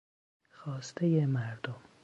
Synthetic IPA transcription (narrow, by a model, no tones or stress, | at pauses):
xɒːst̪ʰejemæɾd̪om